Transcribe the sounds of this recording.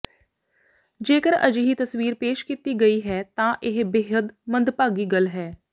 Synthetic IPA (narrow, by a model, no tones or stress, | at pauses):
d͡ʒeːkəɾə̰d͡ʒɦit̪əswiːɾpeːʃkit̪iɡɐiɦɛːt̪ãːʔɪɦbeːɦəd̪mə̃nd̪paːɡiːɡəlɦɛː